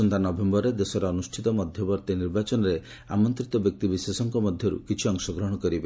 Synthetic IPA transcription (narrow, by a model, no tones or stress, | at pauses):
ɔnt̪anɔbembɔɾed̪esɔɾɔɔnusʈʰit̪ɔmɔd̪ʱjɔbɔɾt̪eniɾbat͡ʃɔnɔɾe | a̰mɔnt̪ɾit̪ɔbjɔk̚t̪ibiswesɔŋkɔmɔd̪ʱjɔɾṵkit͡ʃʰiɔŋsɔɡɾɔɦɔɽ̃ɔkɔɾibe